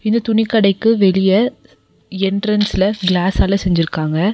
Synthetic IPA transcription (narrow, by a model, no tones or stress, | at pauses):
ɪnd̪ɐt̪ʊɳɪkːɐɽɐɪkːɯʋɛlɪjɐ | ɛɳɖɾɐnsɪlɐɡlaːsaːlɐsɛɲd͡ʒɪɾɯkːaːŋɡɐ